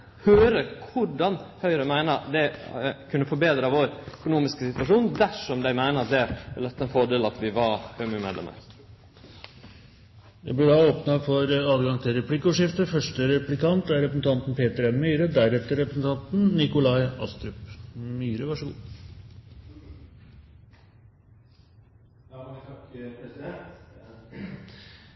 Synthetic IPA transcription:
høːɾəkʰʊɖɑnhœʏɾəmæɪnəd̪ɛkʰʉnːəfɔɾbeːd̪ɾəʋoːɾœkʊnuːmɪskəsɪt̪ʋɑʂuːnd̪æʂɔmd̪æɪmæɪnəɾɑt̪̚d̪ɛɪld̪ɛt̪ːɑɛnfɔɖeːlɑt̪ʋɪʋɑɾhøːmʉmḛd̪ɛ̰mə̰ɾ | jæɪblɪɖɑoːpnɑfɔɾɑːd̪ɡɑŋt̪ʰɪlɾɛpʰliːkːəɔːʂɪft̪əfœʂʈəɾɛplɪkʰɑnt̪æɾɾɛpɾəsn̩t̪ʰɑnt̪n̩pʰeːt̪əɾɛnmyːɾəd̪æɾɛt̪ːəɾɛpɾəsn̩t̪ʰɑnt̪n̩nɪkʊlɑɪɑ̰st̪ɾʉpmyːɾəʋæʂəɡṵː

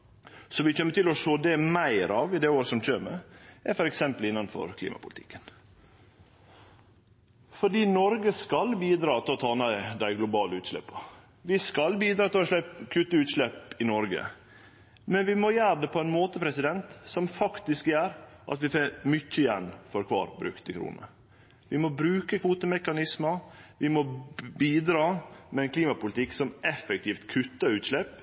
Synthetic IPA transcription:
sɔʋɪçɛmːət̪ʰɪlɔʂoːd̪ɛmæɪɾɑʋɪd̪ɛːoːɾəsɔmc͡çøːɾmɛ̰æfɔɾɛksɛmpəlɪnːɑnfɔ̰ɾkʰlḭːmɑ̰pʰʊlɪt̪ʰɪ̥kːən | fɔɖiːnɔɾɡəskɑlbiːd̪ɾɑːt̪ʰɪlɔt̪ʰɑːnɑd̪æɪɡlʊbɑːləʉːt̪ʂlɛ̰pːɑ | ʋɪskɑlbiːd̪ɾɑːt̪ʰɪlɔʂlɛpkʰʉt̪əʉːt̪ʂlɛpɪnɔɾɡə̰ | mɛnʋɪmɔjæːɾɖ̪ɛpʰɔɛɪnmoːt̪əpʰɾɛsɪd̪ɛnt̪sɔmfɑkt̪ɪskjæːɾʔɑ̰t̪ʋɪfemʏt͡ʃːəɪjɛnfɔɾkʰʋɑ̰ːɾbɾʉ̰kt̪əkʰɾṵːnə̰ | ʋɪmɔbɾʉːkəkʰʋuːt̪əmɛkɑnɪsmɑʋɪmɔbiːd̪ɾɑːmɛɛnkʰliːmɑpʊlɪt̪ʰɪkːsɔmʔɛfːɛk̚t̪ʰɪːft̪kʰʉt̪ːəɾʉːt̪ʂlɛp

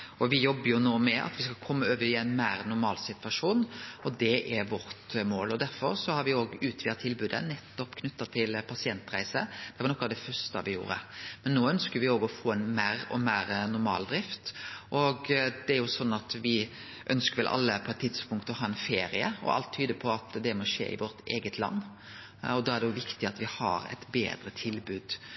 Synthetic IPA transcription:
ʔɔʋɪjɔbːəɾjʊnoːmɛʔɑ̰t̪ʋɪskɑkʰɔmːəøːʋəɪæɪnmæːɾnʊɾmɑːlsɪt̪ʋɑʂuːnɔd̪ɛʔæɾʋɔɾt̪moːlɔd̪æɾfɔɾsɔhɑɾʋɪoːɡʉːt̪ʰʋɪːʁt̪ʰːɪlbʉːd̪ə̰nɛt̪ːɔpkʰnʉt̪ːɑt̪ʰɪlpʰɑsɪɛnt̪ɾæɪsəd̪̥ɛʋɑɾnɔkːɑʋd̪ɛfœɾʂt̪ɑ̰ʋɪjṵːɾə̰mɛnːoːœnskəɾʋɪoːɡɔfoːɛnmæːɾɔ̰mæːɾnʊɾmɑ̰ːld̪ɾɪft̪ʔɔɡd̪̥ɛæɾjʊsɔnːɑt̪ʋɪ | ʔœnskəɾʋɪlʔɑ̰lːəpʰɔɛt̪ʰːɪt̪spʊŋkt̪ɔhɑːɛnfeːɾɪə̰ɔ̰ʔɑ̰lt̪ʰːyːd̪əpʰɔɑt̪d̪ɛmɔʂḛːɪ̰ʋɔɾt̪eːɡət̪ʰlɑ̰nː | ɔd̪ɑːæɾd̪ɛjʊʋɪkt̪ɪɑt̪ʋɪhɑ̰ɾɛ̰ɪt̪bḛːd̪ɾət̪ʰɪlbʉːd̪̥

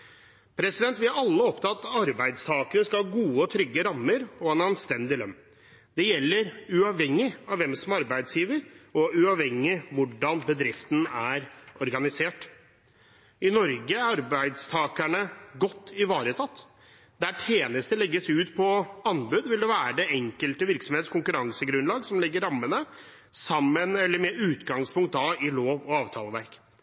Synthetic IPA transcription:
pʰɾɛsɪd̪ɛnt̪ʋɪɑɾɑlːəɔpt̪ʰɑt̪ɑɾbæɪd̪st̪ʰɑːkənəskɑhɑɡuːəɔt̪ʰɾʏɡːəɾɑmːəɾɔɛnɑnst̪ɛnd̪ɪlœnː | d̪ɛjɛlːəɾʉɑʋhɛŋːɪɑʋʋɛmsɔmɑɾbæɪd̪sjiːʋəɾɔʉɑʋhɛŋːɪʋʊɖɑnbəd̪ɾɪft̪ənæɾɔɾɡɑnɪseːʈ | ɪnɔɾɡəæɾɑɾbæɪd̪st̪ʰɑːkæɳəɡɔt̪ːɪʋɑːɾət̪ʰɑt̪ː | d̪æʈʰeːnəst̪əlɛɡːəsʉːt̪pʰɔɑnːbʉd̪ʋɪld̪ɛʋæːɾəɖ̪ɛɛŋkəlt̪əʋɪɾksɔmheːt̪skʰʊŋkʉɾɑŋsəɡɾʉnlɑːɡsɔmlɪɡːəɾɑmːənə | sɑmːənɛlːəɾmɛʉːt̪ɡɑŋspʰʊŋkt̪̚d̪ɑɪloːʋɔɑːʋt̪ʰɑːlˠəʋæɾk

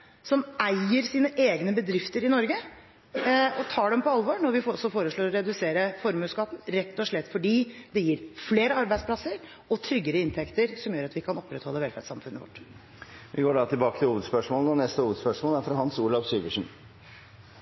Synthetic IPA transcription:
sɔmæɪəɾsiːnəʔeːɡnəbəd̪ɾɪft̪əɾɪnɔɾɡə | ɔt̪ʰɑːɖɛmpɔɑlʋoɳɔɾʋɪfsɔfoːɾəʂɭoːɾɔɾɛd̪ʉseːɾəfɔɾmʉːskɑt̪n̩ɾɛt̪ːɔʂɭɛt̪ːfɔɖiːd̪ɛjiːɾfleːɾəɑɾbæɪspʰlɑsəɾ | ɔt̪ʰɾʏɡːəɾəɪnt̪ʰɛkt̪əɾsɔmjøːɾɑt̪ʋɪkʰɑnɔpːɾɛt̪hɔlːəʋɛlfæ̰ʈsɑmfʉnːə̰ʋɔ̰ʈː | ʋʔɪɡoːɖɑːt̪ʰɪlbɑːkət̪ʰɪluːʋəd̪spœʂmoːləɔnɛst̪əuːʋəd̪spœʂmoːlæɾfɾɑhɑnsuːlɑʋsyːʋəʂn̩

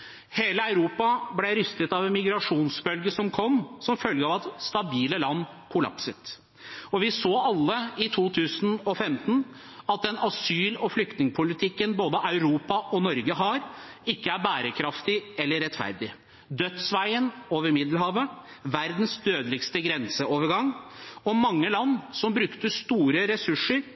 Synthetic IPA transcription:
heːləɑʉɾuːpɑblɛɾʏst̪ət̪ɑʋɛnmɪɡɾɑʂuːnsbœlɡəsɔmkʰɔmːsɔmfœlɡəɑʋɑt̪st̪ɑbiːləlɑnː | kʰʊlɑ̰psət̪ | ɔʋɪsoːɑlːəɪt̪ʰuːt̪ʰʉːsn̩ɔfɛmt̪n̩ | ɑt̪̚d̪ɛnɑsyːlɔflʏk̚t̪nɪŋəpʰʊlɪt̪ʰɪkːənboːd̪əʔɑʉɾuːpɑʔɔnɔɾɡəɦɑɾ | ɪkːəæɾbæːɾəkʰɾɑft̪ɪɛlːəɾɛt̪fæ̰ɾd̪ɪ | d̪œt̪sʋæɪənoːʋəɾmɪd̪l̩hɑːʋəʋæɾd̪n̩sd̪øːd̪əlɪɡst̪əɡɾɛnsəoːʋəɾɡɑŋːɔmɑŋːəlɑnːsɔmbɾʉkt̪əst̪uːɾəɾɛsʉʂːəɾ

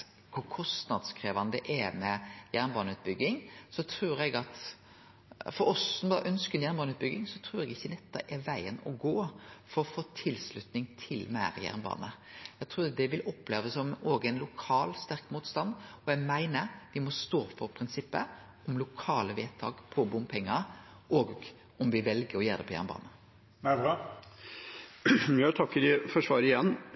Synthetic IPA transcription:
kʰʊɾkʰɔst̪nɑd̪skʰɾeːʋɑnd̪əʔɛmɛjæɾnbɑːnʉːt̪̚bʏɡːɪŋsɔt̪ʰɾuːɾɛɡɑt̪ | fɔɾɔsɔmbɑʔœnskənjæːɾnbɑːnʉːt̪̚bʏɡɪŋsɔt̪ʰɾuːɾɛɡɪçːənɛt̪ːɑ̰ʔɛʋæɪənɔ̰ɡoːfɔɾɔfoːt̪ʰɪlslʉt̪nɪŋt̪ʰɪlmæːɾjæ̰ʁnbɑ̰ːnə | æɡt̪ʰɾuːd̪ɛʋɪlɔpːleːʋəsɔmoːɡæɪnlʊkʰɑːlst̪æɾkmuːt̪st̪ɑnd̪ɔjæɪmæɪnəɾd̪ɪmɔst̪oːfɔɾpʰɾɪnsɪpːə | ɔmlʊkʰɑːləʋeːt̪ʰɑ̰ːɡpʰɔbʊmpʰɛŋːə | ʔɔːɡ | ɔmʋɪʋɛlɡəɾɔjeːd̪ɛ̰pʰɔjæ̰ʁnəbɑ̰ːnə | bɑ | æt̪ʰɑkːəɖɪfɔʂʋɑːɾəɪjɛnː

